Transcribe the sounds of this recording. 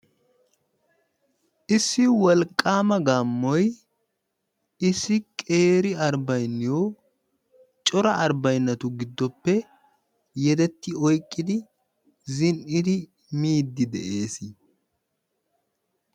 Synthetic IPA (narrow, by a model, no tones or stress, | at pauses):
ʔɪsːɪwɔlkʼːaːmɐɡaːmːɔj | ɪsːɪkʼe̞ːɾɪɐɾbɐjnːɪjoː | t͡ʃʼɔɾɐʔɐɾbɐjnːɐt̪ʊɡɪd̪ːɔpːɛ | jɛd̪ɛt̪ːɪɔjkʼːɪd̪ɪ | zɪnʔɪd̪ɪ | miːd̪ːɪd̪ɛ̰ʔeːs